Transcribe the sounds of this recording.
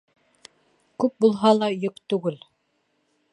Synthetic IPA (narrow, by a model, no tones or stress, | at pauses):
kʉp̚bulˠɦɑlˠɑjokt̪ʉɡɘl